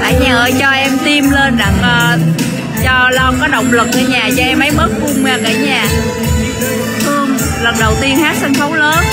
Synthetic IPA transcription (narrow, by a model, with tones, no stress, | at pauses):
ʔaː˧˩˦jɲəː˨˩t͡ɕɔ˧ʔɛ˧mt̪i˧mle˧nɗa˨˩k̚ʔəː˨˩ | t͡ɕɔ˧lɔ˧kɔ˨˦ɗə˨˩wŋ͡mlə˨˩k̚ʔə˧˩ɲaː˨˩zɔ˧ʔɛ˧mːə˨˦jmə˦˥t̚fʊ˧ŋ͡mmaː˨˩kaː˧˩ɲaː˨˩ | t̪ʰɨ˧əŋ | lə˨˩nɗə˨˩wt̪i˧ənhaː˦˥t̚sa˧ŋ̟xʰə˨˦wŋ͡mləː˨˦n